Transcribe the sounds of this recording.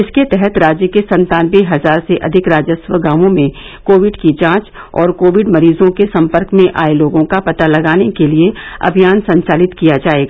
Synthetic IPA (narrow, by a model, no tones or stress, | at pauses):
ɪsket̪ɛɦɛt̪ɾaːd͡ʒjəkesɐ̃nt̪aːnbeɦɐzaːɾseʔɐd̪ʱɪkɾaːd͡ʒəswəɡaːʋõmẽ | koːʋɪɖkid͡ʒãːt͡ʃ | ɔ̰ːɾkoːʋɪɖmɐɾiːzõkesɐ̃mpəɾkmẽʔaːeloːɡõkapɐt̪alɐɡaːnekelieɐ̰bʱijaːnsɐ̃ɲt͡ʃaːlɪt̪kijad͡ʒaːeɡaː